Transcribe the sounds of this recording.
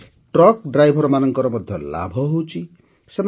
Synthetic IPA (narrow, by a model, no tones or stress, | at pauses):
ʈɾɔkɖɾajbʱɔɾɔmanɔŋkɔɾɔmɔd̪ʱjɔla̰bʱɔɦowt͡ʃʰi | sem